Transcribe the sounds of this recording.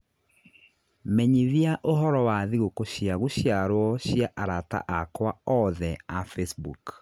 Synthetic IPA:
mɛɲiðiaʔoɦɔɾɔwaðiɣokoɕjaɣoɕjaɾwɔɕjaʔaɾata̰ʔakwaɔðɛafesbuk

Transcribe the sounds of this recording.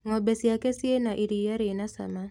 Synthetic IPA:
ŋɔbesjakesienaʔiɾijaɾenasa̰ma

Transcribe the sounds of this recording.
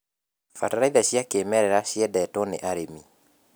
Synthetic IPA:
fa̰taɾaiðaɕjakeːmɛɾɛɾaɕjɛdɛtɔnḛʔaɾemi

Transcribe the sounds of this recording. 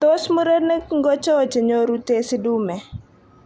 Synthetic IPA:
tosmuɾənəkŋɡɔt͡ʃɔt͡ʃeɲoɾutesidumɛ

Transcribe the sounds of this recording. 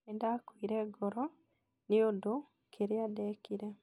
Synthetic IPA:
endakwiːɾɛɡɔɾɔ | niodo | kʰeɾeadɛːkiɾe

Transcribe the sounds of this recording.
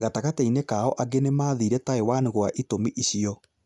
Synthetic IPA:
ɣataɣatɛinekaɔʔaɡenemaːðiɾɛtaewaniɣwaʔitomiʔiɕiɔ

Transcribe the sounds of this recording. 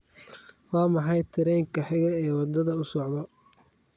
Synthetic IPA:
wɑːmɑħɑjt̪ʰɪɾɛːŋkʰɐħɪɣɐɛːwɑd̪ɐðɐʊsɔʕd̪ɔ

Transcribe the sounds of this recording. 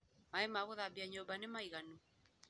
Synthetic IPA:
aemaɣoðabiaɲobanemajɣanu

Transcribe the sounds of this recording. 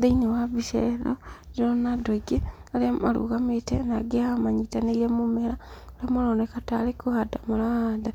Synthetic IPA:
ðeinewaβisɛ̰ɾɔd͡ʒeɾɔnadoiɡeaɾeamaɾṵɣametɛnaɡeahamaɲitaneɾiamomɛɾaoɾeamoɾɔːnɛkataɾekohadamoɾada

